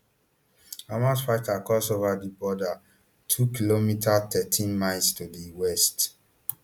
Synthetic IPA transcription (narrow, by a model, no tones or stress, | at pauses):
amãsfaɪtakɔsovadibɔda | tʰukilomitʰatʰɛtʰĩnmaɪlstudiwɛst